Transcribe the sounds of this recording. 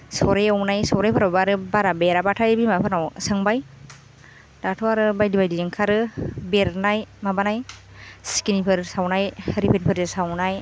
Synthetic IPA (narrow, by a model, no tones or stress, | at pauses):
sɔɾejawnajsɔɾejpʰaɾabaɾɯbaɾabeɾabatʰajbimapʰanawsɯŋbaj | datʰɔaɾɯbajdibajdijɯŋkʰaɾɯbeɾnajmabanaj | skinipʰɯɾsawnajhɾipʰenpʰɯɾɯsawnaj